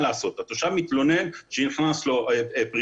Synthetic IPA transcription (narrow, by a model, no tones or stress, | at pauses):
laːso̞t̪at̪oʃavmit̪lo̞ne̞nʃeniχnaslo̞pʁ